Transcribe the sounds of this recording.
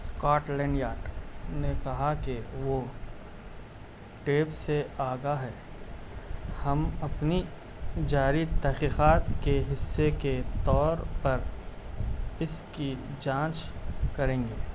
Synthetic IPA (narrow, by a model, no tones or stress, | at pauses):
skɔːʈlɛ̃ːɳɖjaːɾɖnekɐɦakeʋo | ʈeːpseaːɡaɦɛː | hɐmɐpni | d͡ʒaːɾit̪ɛɦqiːqaːt̪keɦɪsːeket̪ɔːɾpɐɾ | ɪski | d͡ʒãːt͡ʃkɐɾẽːŋɡeː